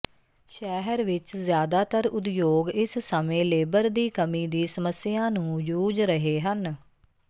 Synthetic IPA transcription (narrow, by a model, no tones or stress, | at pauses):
ʃɛːɦəɾʋɪt͡ʃzjaːd̪aːt̪əɾʊd̪joːɡɪssəmẽːleːbəɾd̪iːkəmiːd̪iːsəməsɪjãːnũːd͡ʒuːd͡ʒɾəɦeːɦən